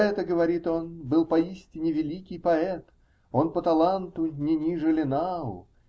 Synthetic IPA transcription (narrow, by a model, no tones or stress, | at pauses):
ɛt̪əɡəvɐɾʲit̪o̞nbɨlˠpɐisʲtʲɪnʲɪvʲɪlʲikʲɪjpɐɛt̪ | o̞npət̪ɐlˠant̪ʊnʲɪnʲiʐɨlʲɪnaʊ̰